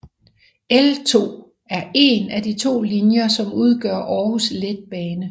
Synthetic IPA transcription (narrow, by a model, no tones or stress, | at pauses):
elt͡sʰo̝̰ː | æɐe̝næd̥it͡sʰo̝̰ːlinjɐsɒ̽muð̞ˠɡ̥ɶ̰ɐ̰ʔɒːhusled̥̚b̥ɛːnə